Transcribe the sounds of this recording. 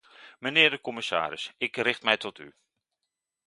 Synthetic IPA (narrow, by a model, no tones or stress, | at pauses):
mənɪːɹdəkɔmɪsa̰ːɾɪsɪkrɪχtmɛjtɔty̰